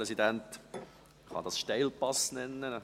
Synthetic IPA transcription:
ɛsidænt | χɑ̰d̪ɑsʃtɛɪlpɑsnɛnːə

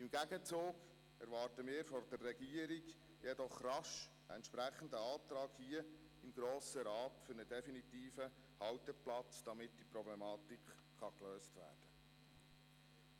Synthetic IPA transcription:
ɪmɡæɡət͡soːɡ | ɛɾʋɑːrtəmɪːɾfɔrd̥ɛrːɛɡiəɾiɡ | jɛdɔχrɑʃ | ə̰ɛ̰ntʃpɾæχən̩d̪əɑːt̪ɾɑːɡhiə | ɪmɡɾoːsəɾɑːtfʏɾnədɛfinit̪iːfə | hɑwtəplɑt͡sd̪̥ɑmɪt̚d̥ipɾɔblɛmɑːt̪ikχːɑkløːstʋæ̰ːrd̥ə

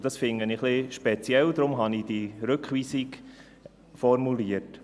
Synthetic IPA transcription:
d̥ɑsfɪŋəniχliʃpɛt͡sjɛld̪ɾʊmɦɑnid̥iɾʏkχʋiːsiɡ | fɔɾmuliət

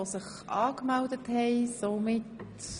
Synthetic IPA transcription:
osɪχ | ʔɑːkmɛldəthɛɪsomɪt

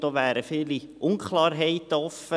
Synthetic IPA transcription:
d̥ɔːʋæːɾəfiːliʔʊnkχlˠɑːɾɦɛɪt̪əɔfə

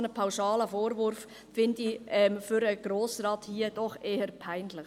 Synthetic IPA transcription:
nəpʰaʊʃɑːləfoːɾvʏɾf | fɪndiɛmfʏɾəɡ̥ɾoːsrɑːthiːəd̥ɔχʔeːəɾpʰaɪnlɪχ

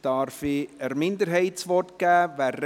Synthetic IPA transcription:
d̥ɑɾfiəɾmɪnd̪əɾɦɛɪsʋɔrtɡ̥æːʋærː

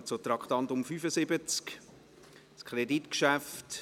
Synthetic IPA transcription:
t͡sot̪ɾɑkχt̪ɑntʊmfyfəsɪbət͡sk | skʰɾeditkʃæft

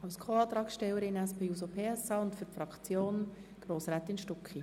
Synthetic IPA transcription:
ɑwskʰoɑːt̪ɾɑːksʃtɛwəɾɪnɛspʰeːuːsopʰeːɛsɑːʊntfʏɾpfɾɑkχt͡sjoːnɡ̥roːsɾæːt̪ɪnʃtɔkχi

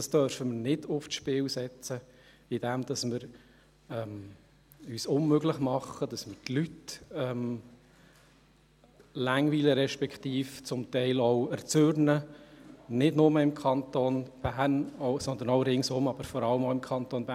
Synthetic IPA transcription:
d̥ɑstœɾfəmənɪd̥ʊftʃpɪwsɛt͡sə | ɪd̥ɛmd̪̥ɑsmɪɾ | ɛm | yːsʊnmøɡlɪχmɑχːəd̥ɑsmɪɾtlytɛm | læŋʋiːləɾɛʃpɛkχt̪iːft͡sʊmt̪ɛɪlɔʊɛɾt͡sørnə | nɪdnʊməɪmkʰɑnt̪oːnb̥æːnɔʊsɔnd̪ənɔʊɾɪŋsʊmɑb̥əɾfɔɾɑləmɔʊɪmkʰɑnt̪oːnbæː

